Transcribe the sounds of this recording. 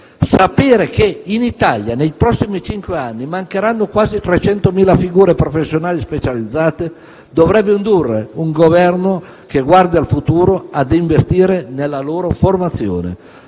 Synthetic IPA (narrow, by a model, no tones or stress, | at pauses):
sapeːɾekeinit̪aljanejpɾɔsːimit͡ʃiŋkweanːimaŋkeɾanːokwaːzit̪ɾet͡ʃɛnt̪omiːlafiɡuːɾepɾofesːjonaːlispet͡ʃalid̪zːaːt̪e | d̪ovɾɛbːeind̪urːḛuŋɡovɛrno | keɡward̪ialfut̪uːɾoad̪iɱvest̪iːɾenelːaloːɾoformat̪sːjo̰ːnḛ